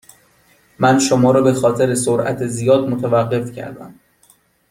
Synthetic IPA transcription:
mænʃomɒːɾɒːbe̞xɒːt̪ʰe̞ɾesoɾʔæ̰t̪ʰezijɒːd̪̚mot̪ʰævæɢːe̞fcʰæ̰ɾd̪æ̰m

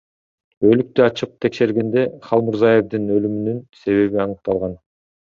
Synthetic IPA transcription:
ø̞lyk̚t̪yɑt͡ʃɯq̚t̪ʰe̞kʃe̞ɾɡe̞nd̪e̞χɑlˠmuɾzɑje̞vd̪inø̞lymynynse̞βe̞βiɑnɯq̚t̪ɑlˠʁɑn

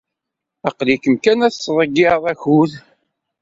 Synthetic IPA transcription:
æqlikəmkænæθsɾˤəɡɪðˤæçuð

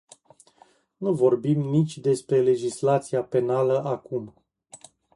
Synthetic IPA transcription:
nuvo̞rbimnit͡ʃʲd̪e̞spɾe̞le̞d͡ʒislat̪siape̞naləʔakum

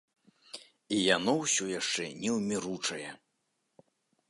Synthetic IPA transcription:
ijanɔwsʲɔjaʂt͡ʂɛnʲɛwmʲiɾut͡ʂɐjɛ

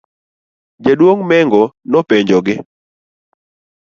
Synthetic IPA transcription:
d͡ʒadwoŋmɛŋɡonɔpeɲd͡ʒɔɡɪ

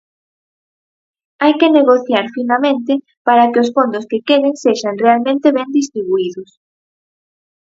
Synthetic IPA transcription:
ajkeneɣoθjaɾfinamẽnt̪ɪ | paɾakɪosfond̪ʊskekeɾeŋseʃanrealmẽnt̪eβɛnd̪ist̪ɾiβuiðʊs

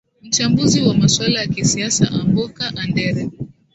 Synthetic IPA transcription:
m̩t͡ʃambuziwamaswalajakisiasa̰ʔambɔkaʔandɛɾɛ

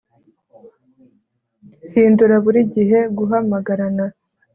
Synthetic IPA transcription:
hiːnduɾaβuɾiɟiɦe̞ɡuɦamaɡaɾana

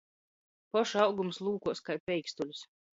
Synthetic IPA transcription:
pɔʃawɡumslˠuːkuɔskajpʲɛjkst̪ulʲus

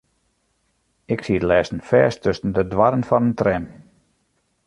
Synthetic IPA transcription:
ɪksiətlɛːsn̩fɛːstʰøsən̩dədʋaɾənfɔnəntrɛm

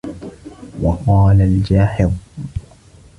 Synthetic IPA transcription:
wɑqɑːlald͡ʒaːħɪɾ

